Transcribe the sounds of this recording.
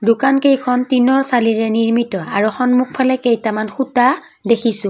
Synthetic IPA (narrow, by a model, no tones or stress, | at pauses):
dʊkankejkʰɔntinɔɹsaliɹɛniɹmitɔa̰ɹuxɔnmuk̚pʰalɛkejtamanxuta | dekʰisʊ̃